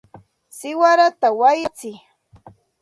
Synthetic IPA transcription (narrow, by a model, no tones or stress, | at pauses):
sɪwaɾat̪awajat͡sɪ